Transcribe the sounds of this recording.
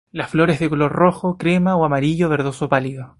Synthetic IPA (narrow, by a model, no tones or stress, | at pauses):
lasflo̞ɾe̞zðekolo̞ɾroxokɾemaoamaɾiʝoβeɾðosopaliðo